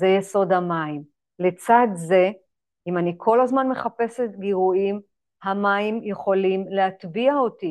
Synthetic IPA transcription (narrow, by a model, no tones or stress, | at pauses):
zejeso̞damaim | let͡sad̪ze̞ | imanikʰo̞lhazmanme̞χape̞set̪ɡiʁuim | hamaimje̞χo̞limleat̪biaoti